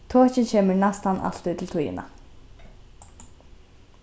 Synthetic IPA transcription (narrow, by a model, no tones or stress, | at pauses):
t̪ʰoːcɪcʰeːməɹnast̪anːʔa̰l̥t̪uːt̪ʰɪlt̪ʰujɪ̰na̰